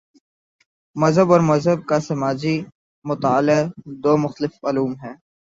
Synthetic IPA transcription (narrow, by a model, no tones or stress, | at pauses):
mɐzɦəbɔːɾmɐzɦəb̚kasɐmaːd͡ʒi | mʊt̪aːled̪oːmʊxt̪əlɪfmaːluːmɦɛː